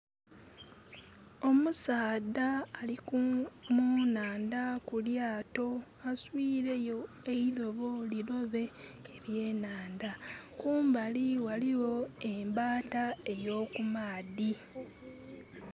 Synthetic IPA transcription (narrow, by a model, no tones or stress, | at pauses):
o̞musaːdaːlikumunaːndakuljaːto̞ | aswiːɾe̞jo | eilo̞βo̞lilo̞βe̞ːβje̞ːnaːndakuːmbaliwaliwo̞e̞mbaːtae̞jo̞ːkumaːdi